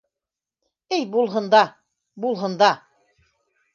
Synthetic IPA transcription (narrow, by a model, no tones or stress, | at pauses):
ɘjbulˠɦɤ̆nd̪ɑ | bulˠɦɤ̆nd̪ɑ